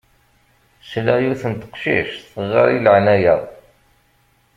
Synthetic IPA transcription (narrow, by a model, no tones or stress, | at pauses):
slæjuθənt̪ə̥qʃḭʃθəʁɑ̰ɾiləʕnæjæð